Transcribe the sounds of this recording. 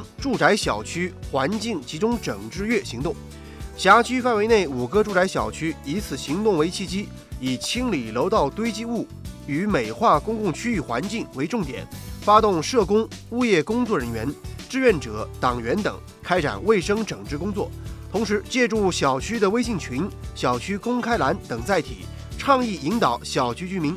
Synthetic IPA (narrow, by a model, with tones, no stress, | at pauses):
ʈ͡ʂu˥˩ʈ͡ʂa˧˥ɪɕjɑ˨˩ʊt͡ɕʰy˥xwa˧˥nt͡ɕi˥˩ŋt͡ɕʰi˧˥ʈ͡ʂʊ˥ŋʈ͡ʂɤ˨˩ŋʈ͡ʂɻ̩˥˧ɥɛ˥˩ɕi˧˥ŋt̪ʊ˥˩ŋ | ɕja˧˥t͡ɕʰy˥fa˥˩nwe˧˥ɪne˥˩ɪu˨˩kɤ˥ʈ͡ʂu˥˩ʈ͡ʂa˧˥ɪɕjɑ̰˨˩ʊt͡ɕʰy˥i˧˥t͡sʰɹ̩˨˩ɕi˧˥ŋt̪ʊ˥˩ŋwe˧˥ɪt͡ɕʰi˥˩t͡ɕi˥ | i˨˩t͡ɕʰi˥ŋli˨˩lo˧˥ʊt̪ɑ˥˩ʊt̪we˥ɪt͡ɕi˥˧u˥˩ | y˧˥me˨˩ɪxwa˥˩kʊ˥ŋkʊ˥˩ŋt͡ɕʰy˥y˥˩xwa̰˧˥nt͡ɕi˥˩ŋwe˧˥ɪʈ͡ʂʊ˥˩ŋt̪jɛ̰˨˩˦nfa˥t̪ʊ˥˧ŋʂɤ˥˩kʊ˥ŋu˥˧jɛ˥˩kʊ˥ŋt͡swɔ˥˩ɻə˧˥nɥɛ˧˥nʈ͡ʂɻ̩˥˧ɥɛ˥˩nʈ͡ʂɤ˨˩˦t̪ɑ˨˩ŋɥɛ˧˥nt̪ɤ˨˩ŋ | kʰa˥ɪʈ͡ʂa̰˨˩nwe˥˩ɪʂɤ˥ŋʈ͡ʂɤ˨˩ŋʈ͡ʂɻ̩˥˧kʊ˥ŋt͡swɔ˥˩t̪ʰʊ˧˥ŋʂɻ̩˧˥t͡ɕjɛ˥˧ʈ͡ʂu˥˩ɕjɑ˨˩ʊt͡ɕʰy˥d̪ə˨we˥ɪɕi˥˩ŋt͡ɕʰy˧˥nɕjɑ˨˩ʊt͡ɕʰy˥kʊ˥ŋkʰa˥ɪla˧˥nt̪ɤ˨˩ŋt͡sa˥˩ɪt̪ʰḭ˨˩˦ | ʈ͡ʂʰɑ˥˧ŋi˥˩i˧˥ŋt̪ɑ˨˩˦ʊɕjɑ˨˩ʊt͡ɕʰy˥t͡ɕy˥mi˧˥ŋ